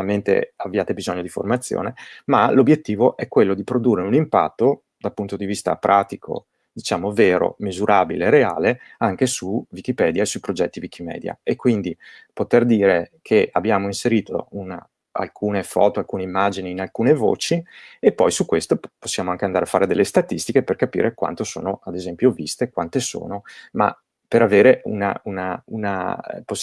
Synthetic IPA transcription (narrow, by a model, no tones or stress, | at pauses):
ament̪ḛabːjaːt̪ebizoɲːod̪ifo̰rmat̪sːjo̰ːnemalobjet̪ːiːvoʔɛkːwelːod̪ipɾod̪urːeunimpa̰t̪ːo | d̪alpunt̪od̪ivist̪a̰pɾʔaːt̪ikʰo̰ | d̪it͡ʃaːmoveːɾo̰mizuɾʔaːbileːɾeaːleaŋkesuvik̟ipɛd̪jaesuipɾod͡ʒɛt̪ːivik̟imɛ̰ːd̪ja̰ekːwind̪ipot̪erd̪iːɾekʰea̰bjaːmoinseɾiːt̪ʰo̰una̰ | a̰lkʰuːnefɔ̰ːt̪oalkuːneimːad͡ʒiniːnalkuːnevo̰ːt͡ʃiepːɔjsukwest̪oposːjaːmoaŋkeand̪aɾafːaːɾed̪elːest̪at̪ist̪ikeperkapḭːɾʔekwa̰nt̪oso̰ːnoad̪ezɛmpjovist̪ekwant̪eso̰ːnoma̰ | peɾaveːɾeṵna̰una̰una̰po